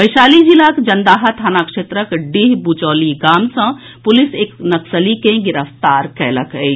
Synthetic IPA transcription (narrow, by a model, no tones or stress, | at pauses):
bəɪʃaːlid͡ʒilaːkd͡ʒɐnd̪aːɦat̪ʰaːnaːkʂeːt̪ɾəkɖiɦbut͡ʃɔːliɡaːmsɐ̃ | pʊlɪseːknɐksəlikẽɡɪɾəft̪aːɾkɛːləkɦe